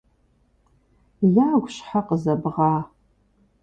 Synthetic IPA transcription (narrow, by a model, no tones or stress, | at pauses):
jaːɡʷɕħaqəzɐbʁɑː